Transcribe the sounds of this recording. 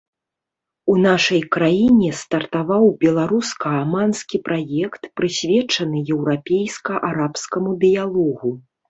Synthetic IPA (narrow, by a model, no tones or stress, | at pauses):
un̪aʂɐjkɾajinʲɛst̪ɐrt̪avawbʲɛlˠaɾuskɐamanskʲipɾʔajɛkt̪pɾɨsʲvʲɛt͡ʂɐnɨjɛwɾapʲejskɐʔaɾapskɐmud̪ɨjalˠɔɣu